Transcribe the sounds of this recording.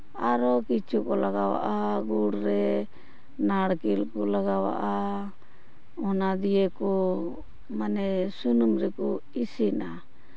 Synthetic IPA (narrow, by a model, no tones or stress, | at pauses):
aɾɔkit͡ʃʰukɔlaɡawa̰ʔaɡuɽɾɛ | naɽkilkɔlaɡawa̰ʔa | ɔnad̪ijɛkɔ | manɛsunumɾɛkɔ | isina